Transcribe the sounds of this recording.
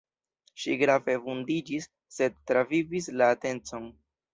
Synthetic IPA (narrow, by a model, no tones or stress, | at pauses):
ʃiɡɾave̞vundid͡ʒisː | e̞d̚tɾavivislaːte̞nt͡so̞n